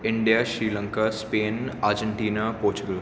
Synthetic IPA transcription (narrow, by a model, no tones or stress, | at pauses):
ɪɳɖijaːʃɾiːlɐ̃ŋkaspeːnaːɾd͡ʒəɳʈiːnapoːɾt͡ʃuɡəl